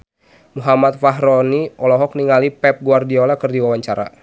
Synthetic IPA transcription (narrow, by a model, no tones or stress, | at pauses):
muɦamat̪̚faɦɾɔniɔlɔɦɔk̚niŋalipɛp̚ɡuardiɔlakɨrdiwawaɲt͡ʃaɾa̰